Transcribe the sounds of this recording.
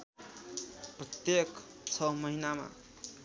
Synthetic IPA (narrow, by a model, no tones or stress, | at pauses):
prʌt̪jek | t͡sʰʌmʌɦinama̰